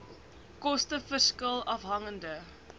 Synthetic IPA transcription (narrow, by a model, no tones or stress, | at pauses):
kɔstəfərskəlˠɐfɦɐŋəndə